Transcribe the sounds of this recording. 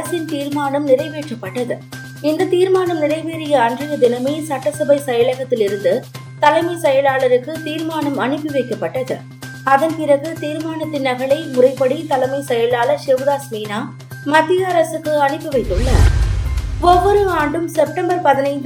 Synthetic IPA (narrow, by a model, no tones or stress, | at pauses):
ɐsɪnt̪iːɾmaːnɐmnɪɾɐɪʋeːʈrɐpːɐʈːɐðɯ | ɪnd̪ɐt̪iːɾmaːnɐmnɪɾɐɪʋeːɾɪjɐːndrɯjɐd̪ɪnɐmeːsɐʈːɐsɐbɐɪsɐjɐlɐɣɐt̪ːɪlɪɾɯnd̪ɯ | t̪ɐlɐmɐɪsɛjɐlaːlɐɾɯkːɯt̪iːɾmaːnɐmɐɳɪpːɯʋɐɪkːɐpːɐʈːɐðɯ | ɐðɐnpɪɾɐɣɯt̪iːɾmaːnɐt̪ːɪnːɐɣɐɭɐɪmʊrɐɪpːɐɽit̪ɐlɐmɐɪsɛjɐlaːlɐɾʃɛʋðaːsmiːnaː | mɐt̪ːɪjɐɐɾɐsɯkːɯɐɳɪpːɯʋɐɪt̪ːɯɭːɐ | ɔʋːɔɾɯaːɳɖɯmsɛp̚ʈɐmbɐɾpɐðɪnɐɪnd̪